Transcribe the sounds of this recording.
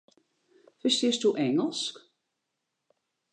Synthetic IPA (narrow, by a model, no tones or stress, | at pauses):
fəsɪstuʔɛŋəlˠsk